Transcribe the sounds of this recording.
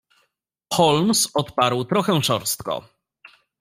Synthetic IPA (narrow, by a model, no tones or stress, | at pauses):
xɔlmsɔt̪paɾwt̪ɾɔxɛ̃ʂɔɾst̪kɔ̰